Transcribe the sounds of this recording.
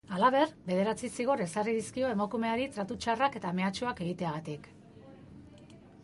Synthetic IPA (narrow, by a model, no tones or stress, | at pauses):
alaβ̞e̞rbe̞ð̞e̞ɾat͡sisiɣ̞o̞ɾe̞sariðiskio̞e̞mokume̞aɾit̪ɾat̪ut͡ʃarake̞t̪ame̞at͡ʃoake̞ɣit̪eaɣ̞at̪ik